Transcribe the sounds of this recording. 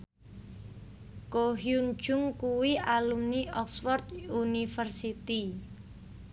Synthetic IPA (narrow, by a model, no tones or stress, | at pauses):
koɦjun̥d͡ʒʊŋkuwialumniʔɔksfɔrt̪unifərsit̪i